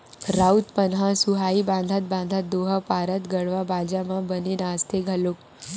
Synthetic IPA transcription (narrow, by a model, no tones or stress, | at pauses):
ɾaut̪pənɦãsuɦaibãnd̪ʱat̪̚bãnd̪ʱad̪oɦapaɾət̪ɡəɽʋabʱad͡ʒamãbəninast̪ʰeɡʱəluk